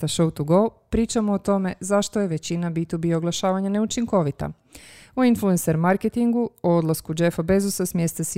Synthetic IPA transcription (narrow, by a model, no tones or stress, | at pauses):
t̪aʃowt̪uɡolpɾiːt͡ʃamoːt̪o̞me̞zaʃt̪oje̞ʋe̞t͡ɕinabit̪ubio̞ɡlˠaʃaːʋaɲane̞ut͡ʃiŋko̞ʋit̪a̰ | oinfluenseɾmaɾket̪iŋɡuood̪lˠaskud͡ʒefabezusasmʲjest̪as